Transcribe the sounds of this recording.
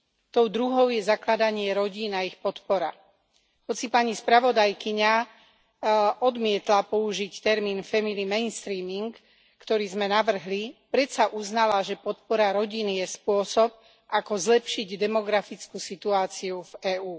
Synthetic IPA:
t̪ɔʊd̪ɾuɦɔʊjɛzaklad̪aɲɪɛɾɔɟiːnaixpɔt̪pɔɾa | hɔt͡sipaɲispɾaʋɔd̪ajkiɲa | ʔɔd̪mɪɛt̪lapɔuʒict̪ɛɾmiːnfɛmilimɛjnst̪ɾiːmiŋkː | t̪ɔɾiːzmɛnaʋr̩ɦlipɾɛt̪saʔuznalaʒɛpɔt̪pɔɾaɾɔɟinijɛspʊɔsɔp̚ | akɔzlɛpʃiɟd̪ɛmɔɡɾafit͡skusit̪uaːt͡siuvɛːuː

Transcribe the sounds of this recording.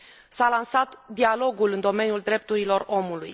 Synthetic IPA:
salansat̪d̪ialo̞ɡulɨnd̪o̞me̞njuld̪ɾe̞p̚t̪uɾilo̞ro̞muluj

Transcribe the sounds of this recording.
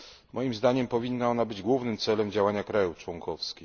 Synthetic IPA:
mʔɔjimzd̪aɲɛmpɔvʲinːaɔnabɘd͡ʑɡwuvnɘmt̪sɛlɛmd͡ʑawaɲakɾajuft͡ʂwɔŋkɔfskʲi

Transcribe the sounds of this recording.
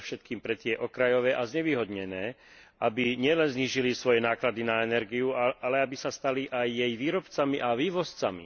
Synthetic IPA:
fʃɛt̪̚kiːmpɾɛt̪ɪɛʔɔkɾajɔʋɛːʔazɲɛʋiːɦɔd̪ɲɛnɛː | ʔabiɲɪɛlɛnzɲiːʒilisʋɔjɛnaːklad̪inaɛnɛɾɡiuaalɛabisast̪aliʔajːɛjʋiːɾɔpt͡samiʔaʋiːʋɔst͡samḭ

